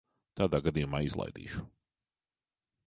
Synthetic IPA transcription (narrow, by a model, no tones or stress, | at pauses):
t̪aːd̪aːɡad̪ijumaːizlˠa̰jd̪ḭːʃu̥